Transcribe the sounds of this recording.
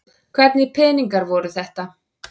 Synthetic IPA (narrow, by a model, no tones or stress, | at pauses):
kʰvɛt̪nɪpʰɛːniŋkaɾvɔɾʏθɛht̪a